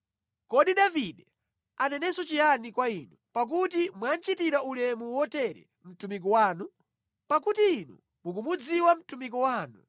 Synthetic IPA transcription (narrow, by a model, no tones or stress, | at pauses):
kɔɗiɗaviɗɛ | anɛnɛsɔt͡ʃijanikwainupak̬utimwant͡ʃitiɾaulɛmuwɔtɛɾɛ̰ | m̩tumik̬ɔwaːnu | pakutiːnṵ | mukumud͡ziwam̩tumik̬ɔwaːnu